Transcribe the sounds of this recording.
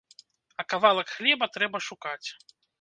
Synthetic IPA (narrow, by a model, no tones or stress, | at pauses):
ɐkavalˠɐkxlʲɛbɐt̪ɾɛbɐʂukat͡sʲ